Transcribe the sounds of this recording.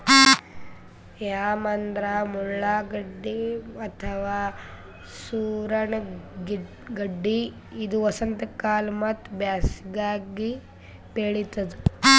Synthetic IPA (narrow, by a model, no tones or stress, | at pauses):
jaːmɐnd̪ɾaːmuɭːaɡɐɖːiɐt̪ʰɐʋaː | suːɾɐɳɡi | ɡɐɖːi | id̪uʋɐsɐnt̪ɐkaːlmɐt̪bjaːsiɡaːɡi | beːɭit̪ːɐd̪u